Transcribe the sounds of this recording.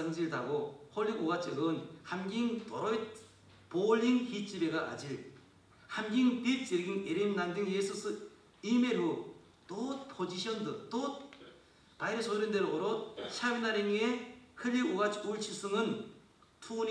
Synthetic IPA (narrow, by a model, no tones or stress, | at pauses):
ɯnd͡ʑiɭdaɡohoɭːiɡoɡat͡ɕʰɯɡɯnhamɡiŋtoɾojt̚ | polːiŋhit͡ɕ͈ibeɡaʔːd͡ʑiɾ | hamɡiŋpiɾ̚t͡ɕ͈iɾɡiŋeɾimnandɯŋjesʰɯsʰɯ | imeɾɯ | t̪ot̪̚pʰod͡ʑiɕʰʌndɯt̪ot̪̚ | pajɾɯsʰoɾɯndeɾooɾot̚ɕʰabinaɾiŋehɯʎːiuɡat͡ɕʰuɭt͡ɕʰis͈ʰɯŋɯn | tʰun